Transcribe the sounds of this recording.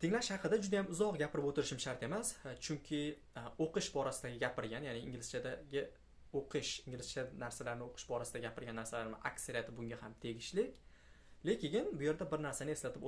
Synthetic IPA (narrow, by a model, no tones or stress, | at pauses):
t̪ʰɪŋlaʃhɑqʰɨd̪ad͡ʒʊd̪ajamʊzɒqɡʲapʰɪɾɪpot̪ɪɾɪʃɪmʃaɾt̪e̞mast͡ʃʰʊŋkʲʰɪ | oqɨʃbɒɾasɪd̪aɡʲɪɡʲapɪɾɡʲanjanɪɪŋʲɪlɪst͡ʃʰad̪aɡʲɪ | oqʰɨʃɪŋɡʲɪlɪst͡ʃʰanaɾsalaɾnɪoqʰɨ̥ʃbɒɾasɪd̪aɡʲapʰɪɾɡʲanːaɾsalaɾmɪ̰ʔakseɾijat̪ʰɪbʊŋɡʲahamt̪ʰe̞ɡʲɪʃlɪkʲ | le̞kʲɪɪnbʊje̞ɾd̪abɪɾnaɾsanɪe̞slat̪ʰɪp